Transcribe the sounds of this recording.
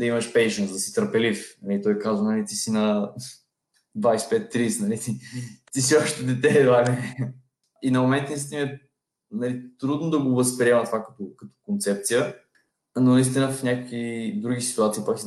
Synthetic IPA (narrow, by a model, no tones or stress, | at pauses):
d̪ɐiməʃpɛjʃənzd̪ɐsi̥t̪əɾpɛlifnɐlit̪ɔjkazvənɐlit̪isinɐ | d̪vajspɛt̪ːɾisnɐlit̪it̪is̬iɔʃt̪ɛd̪ɛt̪ɛd̪vami | inɐmomɛnt̪ːənɐist̪inəɛ | nɐlit̪ɾud̪nod̪ɐɡovəspɾiɛmɐt̪vakɐt̪ɔkɐt̪ɔ̥kont̪sɛp̚t̪sijə | nonɐist̪inəvfnɲʲakəkvid̪ɾuɡʲisi̥t̪uat̪siːpaks